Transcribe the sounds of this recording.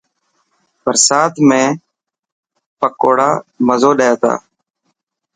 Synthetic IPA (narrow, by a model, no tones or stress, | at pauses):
pəɾsaːt̪ʰmẽː | pəkoːɽaːməzoːɗəːjaːt̪a̰ː